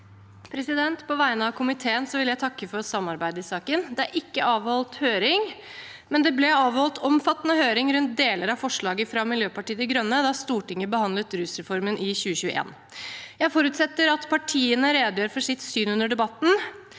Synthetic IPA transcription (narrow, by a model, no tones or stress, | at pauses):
pʰɾɛsɪd̪ɛnt̪pʰɔʋæɪnəɑʋkʰʊmɪt̪ʰeːənsɔʋɪljæɪt̪ʰɑkːəfɔsɑmːɑɾbæɪd̪əɪsɑːkənd̪ɛæɾʔɪkːəʔɑːʋhɔlt̪høːɾɪŋ | mɛnd̪ɛblɛɑːʋhɔlt̪ʰɔmfɑt̪ːənəhøːɾɪŋɾʉnt̪̚d̪eːləɾɑfɔʂɭɑːɡəfɾɑmɪljøːpɑʈiːət̪ɪɡɾœnːəd̪ɑst̪uːʈɪŋəbəhɑnd̪lət̪ɾʉsɾɛfɔɾmənʔɪçʉːəçʉːəʔḛːn | jæɪfɔɾʉt̪sɛt̪ːəɾɑt̪pʰɑʈʰiːənəɾeːd̪jøːɾfɔʂɪt̪syːnʉnəɖɛbɑt̪ːn̩